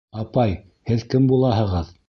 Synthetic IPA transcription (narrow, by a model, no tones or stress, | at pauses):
ɑpɑj | hɘðkɘmbulˠɑɦɤ̆ʁɤð